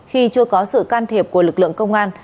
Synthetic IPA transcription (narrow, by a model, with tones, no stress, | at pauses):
xi˧t͡ɕɨ˧əkɔ˨˦sɨ̰˧˨kaː˧nt̪ʰi˨˩p̚ku˧˩əlɨ˨˩k̚lɨ̰˧˨əŋkə˧wŋ͡mʔaː˧n